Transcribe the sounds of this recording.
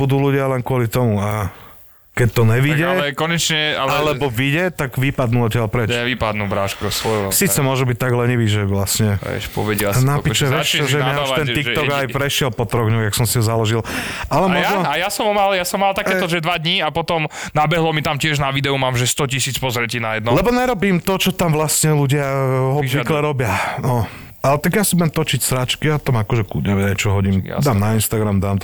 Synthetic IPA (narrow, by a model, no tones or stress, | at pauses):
bud̪uːluɟɪalɛnkʊɔlit̪ɔmua | kɛc̚t̪ɔɲɛʋiɟɛɛkɔɲɛt͡ʃɲɛalɛlɛbɔʋiɟɛt̪aɡʋipad̪nuɔcɪalpɾɛɲt͡ʃɛʋipad̪nuʋɾaːʃkɔsʋɔjsiːt͡sɛmʊɔʒubic̚t̪aɡlɛɲiʋiʒɛʋlasɲɛɛ̰ʃpɔ̰ʋɛɟɛnapiʃɛʋɛt͡ʃɛʒɛaaʃt̪ɛnt̪ikʒ̚ɔɡajpɾɛʃɪɛlpɔt̪ɾɔɡɲɔxjaksɔmsiɦɔzalɔʒilalɛmɔjnɔajasɔmɔmaljasɔmːalt̪akɛːɔʒɛd̪ʋad̪ɲiapɔt̪ɔm | nabɛɦlɔmit̪amcɪɛʒnaʋid̪ɛumaːmʒɛst̪ɔcisiːt͡spɔzɾɛcinajɛd̪nɔlɛbɔɲɛɾɔbiːmt̪ɔt͡ʃɔt̪amʋlasɲɛluɟɪaɦɔbʋiklɛɾɔbɪanɔ | alɛt̪aɡjasibujɛmt̪ɔt͡ʃicsɾat͡ʃkiat̪amakɔʒɛkuɟɛʋɛajt͡ʃɔɦɔɟim̰d̪aːmnainst̪aɡɾamd̪aːmt̪